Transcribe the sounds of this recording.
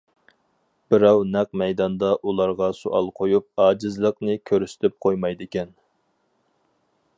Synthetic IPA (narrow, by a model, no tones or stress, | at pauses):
b̥ɪɾɑwnɛq̚mɛjd̪ɑnd̪ɑʔulˠɑɾʁɑsuʔɑ̰lˠqʰojup̚ɑːd͡ʒɪzlˠəqnɨkʲʰøɾysɪ̥t̪ʰɪp̚qʰojmɑjd̪ɪkʲɛn